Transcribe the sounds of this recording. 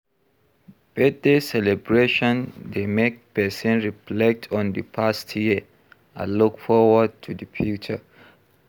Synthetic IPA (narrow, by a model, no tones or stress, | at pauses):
b̥ɛt̚desɛlɛbɹeʃɔ̃ndemek̚pɛsɛ̃nɹiflɛk̚tʰɔ̃ndəpʰastʰji | a̰lukfɔwəd̚tʰudəfjut͡ʃə